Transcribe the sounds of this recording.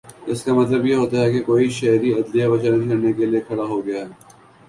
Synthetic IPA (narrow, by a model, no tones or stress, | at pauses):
ɪskamɐt̪ləbjeɦoːt̪aɦɛkekoːiʃɐɦɾiɐd̪lijabɐt͡ʃaned̪ikʰɐɽnekeliekʰɐɽaɦoɡɐjaɦɛː